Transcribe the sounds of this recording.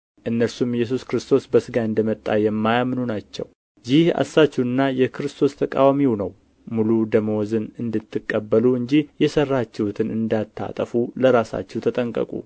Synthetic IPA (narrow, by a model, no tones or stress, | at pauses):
ʔɨnːəɾsumjɛs̬uskɾɨst̪ʰo̞sbəsɨɡaɨnd̪əmət̪ʼːajɛmːajamnunat͡ʃːɛ̰w | jɪha̰sːat͡ʃːuɨnːajɛkɨɾɨst̪ʰo̞st̪ʰəkʼawamiwunəw | mulud̪əməwɔzɨnɨnd̪ɨt̪ʰːɨkʼːəbːəluɨɲd͡ʒihjɛsərːat͡ʃːɛhut̪ʰɨnɨnd̪at̪ʰːa̰t̪ʼəfuləɾasa̰t͡ʃːɛwt̪ʰət̪ʼəŋkʼə̰kʼṵ